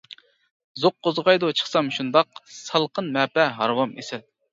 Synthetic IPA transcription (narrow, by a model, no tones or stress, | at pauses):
zoq̚ːozʁɑjd̪ut͡ʃʰə̥χsɑmʃund̪ɑqsɑlˠqʰənmɛːpɛɦɑɾwɑmesɪl